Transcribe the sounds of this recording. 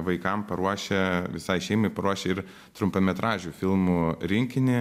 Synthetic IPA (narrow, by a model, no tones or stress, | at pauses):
ʋɐɪkɐmpɐɾuɔʃʲɛʋʲɪsɐɪʃʲɛɪmɐɪpɐɾuɔʃʲɛɪɾ | t̪ɾʊmpɐmʲɛt̪ɾɑːʒʲufʲɪlˠmuɾʲɪŋʲkʲɪnʲɪ